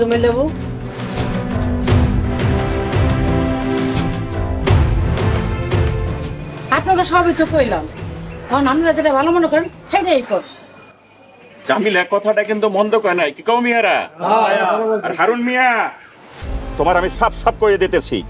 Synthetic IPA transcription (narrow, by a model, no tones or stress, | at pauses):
umelebo | apnokaʃɔabit̪ːokojlamɔonamniɾad͡ʑeɾabʱalomonekɔɾenfʰejɾaejkoɾ | d͡ʑamilɛkːɔt̪ʰaʈakint̪umɔnd̪okɔenajkikawmiaɾa̰ | aɾɦaɾulmia | t̪omaɾamiʃapʃap̚koɾied̪it̪et͡ɕʰḭ